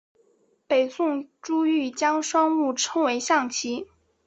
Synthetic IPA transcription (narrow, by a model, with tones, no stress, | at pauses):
pe˨˩ɪsʊ˥˧ŋʈ͡ʂu˥y˥˩t͡ɕjɑ˥ŋʂwɑ˥ŋmu˥˩ʈ͡ʂʰɤ˥ŋwe˧˥ɪɕjɑ˥˩ŋt͡ɕʰi˧˥